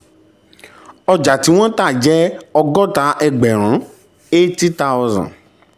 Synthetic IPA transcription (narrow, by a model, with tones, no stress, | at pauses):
ɔ˧d͡ʒa˨ti˨˦w̃ɔ̃˦ta˦˨d͡ʒɛ˦ɔ˧ɡɔ˦ta˨˦ʔɛ˧ɡ͡bɛ˨ɾ̃ã˨˦ | e˦ti˦ta˧ɔ˧zã̰˨